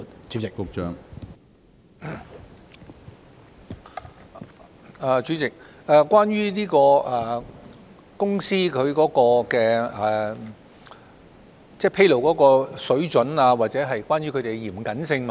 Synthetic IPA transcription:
ɪ˨fʊ˨k̚t͡ʃœ̰ː˨˧ŋ | a˨˧t͡ʃyː˨˧˥t͡sɪ˨k̚ | aː˨kʷwaː˥nɥyː˥niː˥kɔː˧ʔɐ˨ | kʊ˥ŋsiː˥kʰɵ˨˧ɥkɔː˨˥kɔː˧kɛː˧ɛ˨˩ | t͡sɛː˥˧˩pʰe˥jlo˨˩wkɔː˨˥kɔː˧sɵ˨˥ɥt͡sɵ˨˥naː˧waː˨t̚t͡sɛː˨˥ɦɐ˨jkwaː˥nɥyː˥kʰɵ˨˧t̪e˨˩ɡjiː˨˩mkɐ˨˥nsɪ˧ŋm˨

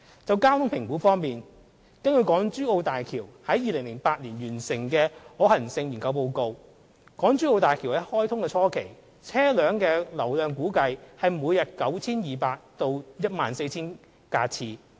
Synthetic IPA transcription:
t͡sɐ˨wkaː˥wt̪ʰʊ˥ŋpʰɪ˨˩ŋkuː˨˥fɔː˥ŋmiː˨n | kɐ˥nkɵ˨˧jkɔː˨˥ŋt͡ʃyː˥o˧wt̪aː˨jkʰiː˨˩whɐ˨˥jiː˨˧lɪ˨˩ŋlɪ˨˩ŋpaː˧t̚liː˨˩njyː˨˩nsɪ˨˩ŋkɛː˧hɔː˨˥hɐ˨˩nsɪ˧ŋjiː˨˩ŋkɐ˧wp̬o˧wko˧w | kɔː˨˥ŋt͡ʃyː˥o˧wt̪aː˨˩jkʰi˨˩wɐ˨˥hɔː˥jt̪ʰʊ˥ŋkɛ˧t͡sʰɔː˥kʰe˨˩j | t͡sʰɛː˥lœː˨˥ŋkɛː˧lɐ˨˩wlœː˨ŋkuː˨˥kɐ˧jhɐ˨jmuː˨˧jɐ˨t̚kɐ˨˥wt͡sʰiː˥njiː˨paː˧k̚t̪o˧wjɐ˥t̚ma̰ː˨nse˧jt͡sʰiː˥n | kaː˧t͡sʰiː˧

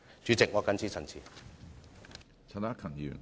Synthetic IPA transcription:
t͡ʃyː˨˥t͡sɪ˨k̚ŋɔː˨˧kɐ˨˥nt͡sʰiː˧˥t͡sʰɐ˨˩nt͡sʰḭː˨˩ | t͡sʰɐ˨naː˥kʰɐ˨˩njy̰ː˨˩n

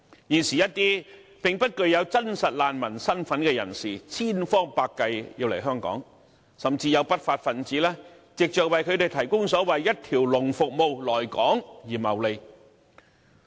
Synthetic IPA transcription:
jiː˨nsiː˨jɐ˥t̚t̪iː˥ | pɪ˨ŋpɐ˥t̚kɵ˧ɥjɐ˨˧wt͡sɐ˥nsɐ˨t̚laː˨nmɐ˨˩nsɐ˥nfɐ˨˥nkɛː˧jɐ̰˨˩nsiː˨˩t͡sʰiː˥nfɔː˥ŋpaː˧kːɐ˧jjiː˧wle˨˩jɦœː˥ŋkɔ̰ː˨˥ŋ | sɐ˨˩mt͡siː˧jɐ˨˧wpɐ˥t̚faː˧t̚fɐ˨˩nt͡siː˨˥lɛː˥ | t͡sɪ˨k̚t͡ʃœː˨k̚wɐ˨jkʰɵ˨˧ɥt̪e˨jt̪ʰɐ˨˩jkʊ˥ŋsɔː˨˥wɐ˨jːɐ˥t̚t̪ʰiː˨˩wlʊ˨˩ŋfʊ˨k̚mo˧wlɔː˨˩jkɔː˨˥ŋjiː˨˩mɐ˨˩wle˨˧j

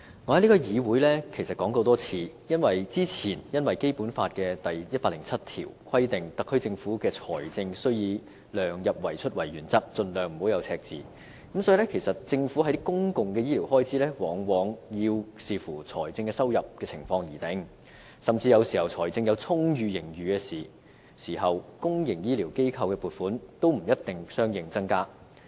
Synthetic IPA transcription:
ŋɔː˨˧hɐ˨˦jli˥kɔː˧jiː˨˧wuː˨˥jlɛː˥kʰe˨˩jsɐ˨t̚kɔː˨˥ŋt̪o˧t̪ɔː˥t͡sʰiː˧ | jɐ˥nwɐ˨jt͡siː˥t͡sʰiː˨˩njɐ˥nwɐ˨jke˥jpuː˨˥nfaː˧t̚kɛː˧t̪ɐ˨jjɐ˥t̚paː˧klɪ˨˩ŋt͡sʰɐ˥t̚t̪ʰḭː˨˩wkʰɐ˥jt̪ɪ˨ŋt̪ɐ˨kʰːɵ˥ɥt͡sɪ˧ŋfuː˨˥kɛː˧t͡sʰɔː˨˩jt͡sɪ˧ŋsɵ˥ɥjiː˨˧ | lœː˨ŋjɐ˨p̚wɐ˨˩jt͡ʃʰɵ˥t̚wɐ˨˩jɥyː˨˩nt͡sɐ˥k̚t͡sɵ˧nlœː˨ŋm̩˨˩ho˨˥wjɐ˨˧wt͡sʰɛː˧k̚t͡sḭː˨˧ | kɐ˨˥msɔː˨˥iː˧lɛː˥kʰe˨˩jsɐ˨t̚t͡sɪ˧ŋfuː˨˥hɐ˨˥jt̪kʊ˥ŋkʊ˨ŋkɛ˧jiː˥liː˨˩wɦɔː˥jt͡sʰiː˨˥lɛː˥wɔː˨˥ŋwɔː˨˧ŋjiː˧wsiː˨˧fuː˨˩t͡sʰɔ̰ː˨˩jt͡sɪ˧ŋkɛː˧sɐ˥wjɐ˨p̚kɛː˧t͡sʰɪ˨˩ŋfɔː˧ŋjiː˨˩t̪ɪ˨˥ŋ | sɐ˨mt͡siː˧jɐ˨˧wsiː˨˩hɐ˨wt͡sʰɔː˨˩jt͡sɪ˧ŋjɐ˨˧wt͡sʰʊ˥ŋjyː˨˧jɪ˨˩ŋjyː˨kɛː˧siː˨˩ | siː˨˩hɐ˨wkʊ˥ŋjɪ˨˩ŋjiː˥liː˨˩wke˥jkʰɐ˧wkɛː˧puː˨t̚fuː˨˥nt̪o˥wm̩˨˩jɐ˥t̚t̪ɪ˨ŋsœː˥ŋjɪ˨ŋt͡sɐ˥ŋkaː˥

